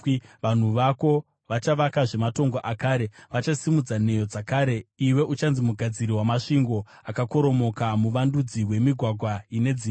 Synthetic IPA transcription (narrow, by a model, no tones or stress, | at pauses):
ʋan̤uʋako̞ | ʋat͡ʃaʋakaʐe̞mato̞ŋɡoʔakaːɾe̞ʋat͡ʃasimud͡zane̞jo̞d͡zakaːɾe̞iwe̞ʔut͡ʃanzimuɡʱad͡ziriwamaʂiŋɡo̞ | akako̞ɾo̞mo̞kamuʋandud͡ziwe̞miɡʱwaɡʱwaine̞d͡ziː